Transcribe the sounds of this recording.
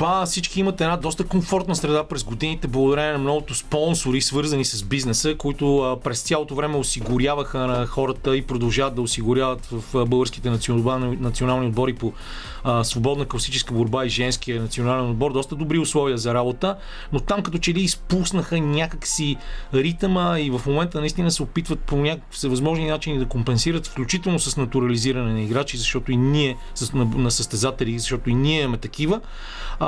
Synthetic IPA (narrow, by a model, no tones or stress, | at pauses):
pafsit͡ʃkiimɐt̪ɛd̪nad̪ɔst̪əkoɱfɔɾt̪nəsɾɛd̪apɾɛzɡod̪init̪ɛblˠəɡʊd̪ɐɾɛnɛnɐmnɔɡʊt̪ʊspɔnsoɾisvɤɾzɐnisɐzbiznɛsəkoit̪ʊpɾɛst̪sjalˠot̪ovɾɛmɛosiɡʊɾjavəxənɐxɔɾət̪əipɾod̪ɐlˠʒavət̪̚d̪ɐosiɡʊɾʲjavət̪vɐfbɤlˠɡəɾskit̪ɛnɐt̪snɐt̪sionalˠniod̪̚bɔɾipo | svobɔd̪nəklˠsit͡ʃɛskəboɾbaizʒɛnsk̟iənɐt̪sionalɛnod̪̚bɔɾd̪ɔst̪əd̪obɾiʊslˠɔviəzɐɾabot̪ə | not̪amkɐt̪ɔt͡ʃɛliːspusnəxənʲakəksiɾit̪məivəfmomɛnt̪ənɐist̪inəsɛopit̪vət̪̚ponʲakksəvɐzmɔʒninat͡ʃinid̪ɐkompɛnsiɾət̪fklʲut͡ʃit̪ɛlˠnosɐsnɐt̪uɾɐliziɾɐnɛnɐiɡɾat͡ʃizɐʃt̪ɔt̪oiniɛ | snnɐsəst̪ɛzat̪ɛlizɐʃt̪ɔt̪oiniɛimɛt̪ɐkivə